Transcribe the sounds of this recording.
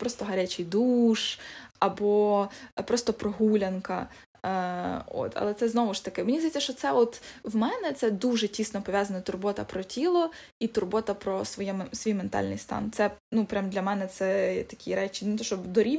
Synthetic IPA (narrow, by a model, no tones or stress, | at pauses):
pɾɔst̪ɔɦɐɾʲat͡ʃɪjd̪uʃɐbɔpɾɔst̪ɔpɾɔɦulʲɐnkɐ | o̰t̪ɐ̰lˠɛtsɛznɔʋʊʃt̪ɐkɪmenʲizd̪ɐjeɛt͡sʲːɐʃt͡ʃɔt̪sɛɔt̪wmɛnɛt̪sɛd̪uʒɛtʲisnɔpɔʋʲjazɐnɔt̪ʊrbɔt̪ɐpɾɔtʲilˠɔ | it̪ʊrbɔt̪ɐpɾɔsʋɔjɛsʋʲijment̪ɑ̰lʲnɪ̰jst̪ɑ̰nt̪sɛnupɾʲamd̪lʲɐmɛnɛt̪sɛt̪ɐ̥kʲiɾɛt͡ʃʲɪnut̪ɔʃɔd̪ɔɾʲi